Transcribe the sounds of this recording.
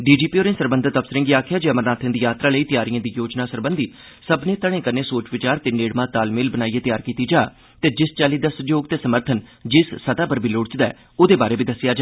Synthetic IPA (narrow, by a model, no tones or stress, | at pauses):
ɖiːd͡ʒiːpiːoːɾẽːsəɾbənd̪ət̪əpsəɾə̃ŋɡiːaːkʰjaːd͡ʒeːəməɾnaːt̪ʰə̃ːd̪iːjaːt̪ɾaːləiːt̪jaːɾijãːd̪iːjoːd͡ʒnãːsəɾbənd̪ʱiː | səbnẽːt̪əɽ̃ẽːkəɾneːsoːt͡ʃʋɪt͡ʃaːɾt̪eːneːɽmãːt̪aːlmɪlbənaːiːeːt̪ɪjaːɾkiːt̪iːd͡ʒaː | t̪eːd͡ʒɪst͡ʃaːliːd̪aːsəd͡ʒoːɡt̪eːsəməɾt̪ʰənd͡ʒɪsːət̪aːpəɾbiːloɽt͡ʃd̪aɛ̰ː | ʊd̪eːbaːɾeːbiːd̪əsɪjaːd͡ʒaː